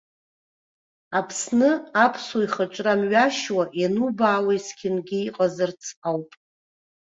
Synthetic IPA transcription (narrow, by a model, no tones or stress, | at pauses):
apʰsnɨapʰsoiχaʈ͡ʂʼramɥaʃwaʔenubaːwajskʲʰɪnɡʲɪiqʼazɨrt͡sʰawpʼ